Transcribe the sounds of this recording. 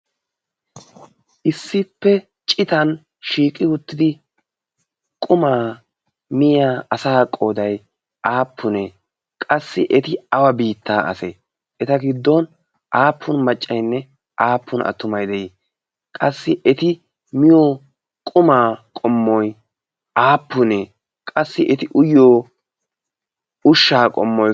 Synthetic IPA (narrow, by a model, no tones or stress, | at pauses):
ʔɪsːɪpːɛ | t͡ʃʼɪt̪ɐn | ʃiːkʼːɪwʊt̪ːɪd̪ɪ | kʼʊmaː | mɪjaːɐsaːkʼːoːd̪ɐj | ʔaːpʰːʊneː | kʼɐsːɪ̰ʔɛt̪ɪɐwɐbiːt̪ːaːʔɐ̰sḛ | ʔɛt̪ɐɡɪd̪ːon | ʔaːpʰːʊnmɐt͡ʃʼːɐjnːɛ | ʔaːpʰːʊnʔɐ̰t̪ːʊmɐjd̪ɛji | kʼɐsːɪʔɛt̪ɪ | mɪjo | kʼʊmaːkʼɔmːɔj | ʔaːpːʊne | kʼɐsːɪʔɛt̪ɪʔʊjoː | ʊʃːaːkʼɔ̰mːɔj